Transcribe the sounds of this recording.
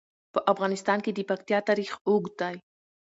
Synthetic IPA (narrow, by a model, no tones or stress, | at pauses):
pəʔafɣanist̪ankid̪ipakt̪jat̪aɾiχuɡt̪aj